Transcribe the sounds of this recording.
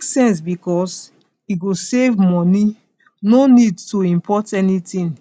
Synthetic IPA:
ksɛ̃ns̬bikɔs | iɡosevmɔni | nonidtoĩmpʰɔtɛnitĩn

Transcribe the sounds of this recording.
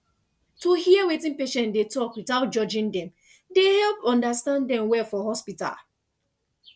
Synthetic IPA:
tohiəwetĩnpeʃɛ̃ndetɔkwitaʊt̚d͡ʒɔd͡ʒĩndɛ̃m | dehɛlpɔ̃ndastãnddɛ̃mwɛfɔhɔspita̰l

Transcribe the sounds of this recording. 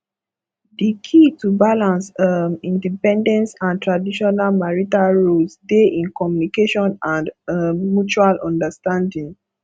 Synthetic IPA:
dikʰitubalãnsəmĩndipɛ̃ndɛ̃ntãntɹadiʃɔnalmaɹitaɹosdeʔĩnkɔmjunikeʃɔ̃nãnəmːut͡ʃualʔɔ̃ndəstãndĩŋ

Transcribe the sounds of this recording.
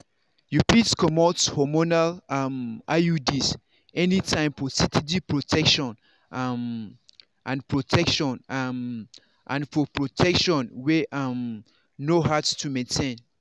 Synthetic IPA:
ɹupitkɔmɔtshɔmonalamʔajudis | ɛnitʰãɪ̃mfɔsitʰitipɹotʰɛkʃɔ̃n | m | ʔã̰npɹotʰɛkʃɔ̃nm | ʔã̰nfɔpɹotʰɛkʃɔ̃nweʔam | noɦatstʰumẽntʰẽn

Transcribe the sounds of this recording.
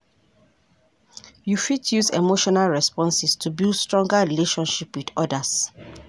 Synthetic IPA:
jufitʰjuzḛmoʃɔnalɹɛspɔ̃nsɛstʰubilstɹ̥ɔ̃ŋɡəɹileʃɔ̃nʃipwidɔdəs

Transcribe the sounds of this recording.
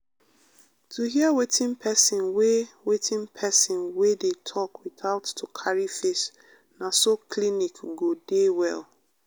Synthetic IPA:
tʰuɦiəwetɪ̃npʰɛsĩnwewetʰĩnpʰɛsĩnwedetʰɔkwiθaʊtːukʰaɹifes | nasokʰlinikɡodewɛ̰l

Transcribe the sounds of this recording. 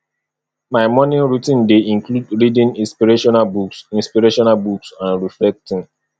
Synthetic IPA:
maɪmɔ̃nĩnɹutɪ̃ndeĩŋkludɹidĩnĩnspiɾeʃɔnalbuksĩnspiɾeʃɔnalbuksãnɹiflɛk̚tɪ̃n

